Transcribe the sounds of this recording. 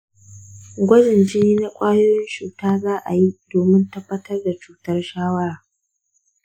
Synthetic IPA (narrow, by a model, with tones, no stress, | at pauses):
ɡʷɐ˦d͡ʒɪ˨nd͡ʒɪ˦niː˦na˦kʷʼaː˦joː˦jɪ˦nt͡ʃuː˨taː˦zaː˦ʔa̰˨ji˦doː˨mɪ˦ntɐ˦bːɐ˦tɐ˦rda˨t͡ʃuː˦tɐ˦rʃaː˦wɐ˦ɽaː˨